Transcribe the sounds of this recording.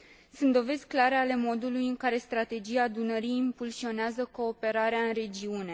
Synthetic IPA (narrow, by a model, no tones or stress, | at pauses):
sunt̪d̪o̞ve̞zʲklaɾe̞ale̞mo̞d̪ulujɨŋkaɾe̞st̪ɾat̪e̞d͡ʒijad̪unəɾiimpulsio̞neazəko̞ːpe̞ɾaɾeaɨnre̞d͡ʒiune̞